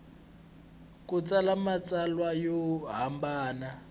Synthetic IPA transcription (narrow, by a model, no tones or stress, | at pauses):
kut͡sʼalamat͡salwajɔɦambaːna